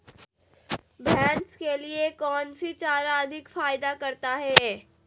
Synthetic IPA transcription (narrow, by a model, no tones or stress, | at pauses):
bʱɛ̃ːnskeliekɔːnsit͡ʃaːɾaɐd̪ʱɪkfaːjɪd̪akɐɾt̪aɦɛː